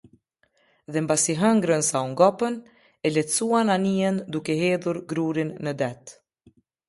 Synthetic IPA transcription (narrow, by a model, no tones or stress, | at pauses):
ðɛmbasiɦəŋɡɾənsauŋɡɔpən | ɛlɛt̪suananiənd̪ukɛɦɛðuɾɡɾuɾinːəd̪ɛt̪